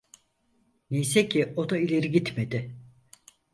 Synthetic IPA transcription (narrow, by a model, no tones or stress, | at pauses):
nejsecʰiod̪ailʲe̞ɾiɡit̪med̪ɪ